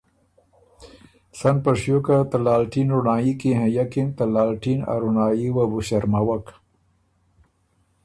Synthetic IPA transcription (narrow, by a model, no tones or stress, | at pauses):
sanpaʂjokat̪alaːlʈinɾunaːjikiɦẽjakint̪alaːlʈina̰ɾunaːjiwabuɕaɾmawak